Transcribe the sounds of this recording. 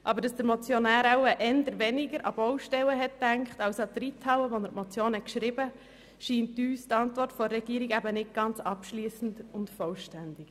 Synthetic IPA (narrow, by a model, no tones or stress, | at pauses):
ʔɑbəɾd̥ɑsd̥əɾmɔt͡sjɔnæːɾawəʔɛnd̪əɾʋɛnɪɡəɾʔɑ̰b̥ɔwʃtɛləɦɛtdæŋkχtɑwsɑt̪ɾitʰɑwəʋɔnəɾtmɔt͡sjoːnhɛkʃɾɪbə | ʃiːntyːstɑntʋɔrtfɔrːɛɡiːɾiɡæbənɪt̚ɡ̥ɑnt͡sɑpʃliːsn̩dʊntfɔlʃtændɪk